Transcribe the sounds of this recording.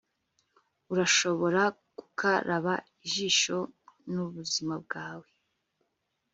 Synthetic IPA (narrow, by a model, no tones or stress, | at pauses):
uɾaʃo̞βo̞ɾa | ku̥kʰaɾaβaiʒiːʃo̞nuβuzimab̚ɡaːwe